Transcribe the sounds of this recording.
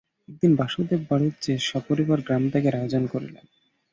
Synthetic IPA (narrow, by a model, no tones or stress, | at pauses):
ɛk̚d̪inbaʃud̪ebbaɽut̪̚d͡ʑeʃɔpoɾibaɾɡɾamt̪akeɾad͡ʑonkoɾḭlḛn